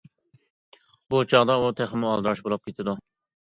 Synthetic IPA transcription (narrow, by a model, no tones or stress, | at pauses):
but͡ʃʰɑʁd̪ɑut̪ʰæχɪmuɑ̰lˠd̪ɾɑʃbolˠɑp̚kʲʰet̪ʰɪd̪u